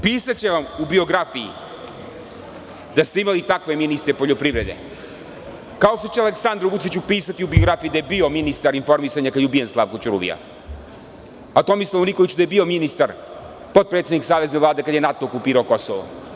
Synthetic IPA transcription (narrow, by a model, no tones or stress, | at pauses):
piːsat͡ɕeʋamubio̞ɡɾafiḭ | d̪ast̪eimalit̪akʋe̞minist̪ɾepo̞ʎo̞pɾiʋɾe̞d̪ḛ | kao̞ʃt̪o̞t͡ɕealeksand̪ɾoʋuit͡ɕupiːsat̪iubioɡɾafijid̪aje̞bio̞minist̪aɾinfo̞ɾmisaɲakajubijenslˠaʋkot͡ʃuɾṵʋḭja̰ | at̪o̞mislˠoonikoʋit͡ɕud̪ajebio̞minist̪aɾ | po̞t̪̚pɾet̪eniksaːʋe̞znelaːd̪e̞kad̪jenat̪o̞okupiːɾaoko̞soʋo̰